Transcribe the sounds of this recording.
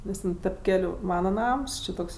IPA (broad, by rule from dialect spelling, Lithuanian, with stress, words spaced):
ˈnʲɛs tʲɛn tʲɛp ˈkʲæːlʲʊ ˈmɑːnɐ ˈnɐms ˈt͡ʃʲɪ ˈtoːks